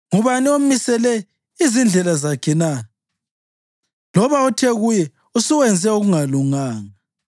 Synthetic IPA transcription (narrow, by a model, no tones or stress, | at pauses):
ŋuβaniomisɛlɛ | izind͡ɮʱɛlazakʰɛna | lɔβaɔtʰɛɣujɛ | usuwɛnd͡zʱɛuɣuŋaluŋaːŋa